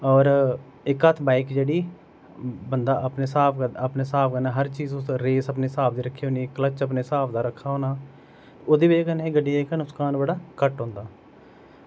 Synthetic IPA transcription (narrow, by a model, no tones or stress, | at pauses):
ɔːɾ | ɪkət̪ʰbaːɪkd͡ʒeːɽiː | bənd̪aːʔəpneːsaːpʰkəəpneːsaːpʰkənaːɦəɾt͡ʃiːzʊsɾeːsəpneːsaːp̚ʰd̪iːɾəkʰːeːoːnikələt͡ʃəp̬neːsaːpʰd̪aːɾəkʰːaːɦoːnaː | oːd̪eːbekənẽɡəɖːiaɪknʊkskaːnbəɽaːkəʈɦõːnd̪aː